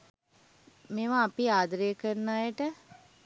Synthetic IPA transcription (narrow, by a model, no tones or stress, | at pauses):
meːʋaːpiaːd̪ɾejəkəɾnaːjəʈə